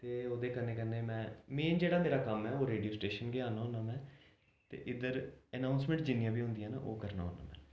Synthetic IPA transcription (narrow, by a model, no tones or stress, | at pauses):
t̪eːoːd̪eːkənːeːkənːeːmɛ̃ːmeːnd͡ʒeːɽaːmeːɾaːkəmɛːoːɾeːɖijoːsʈeːʃənɡeːaːnaːɦoːnaːmɛ̃ː | t̪ḛːʔɪd̪əɾənaːʊnsmɛ̃ːɳʈd͡ʒɪnːɪjãːbiːɦʊ̃nd̪ijãːna̰ʔo̰ːkəɾna̰ːɦoːna̰ːmɛ̰̃ː